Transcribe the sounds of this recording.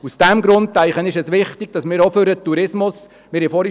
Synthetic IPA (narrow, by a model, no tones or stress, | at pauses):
usd̥æmɡɾʊntːæɪχənɪʃɛsʋɪχtɪɡ̥̚d̥ɑsmɪːɾɔføɾət̪ːuɾɪsmʊs | mɪɾɪfɔɾi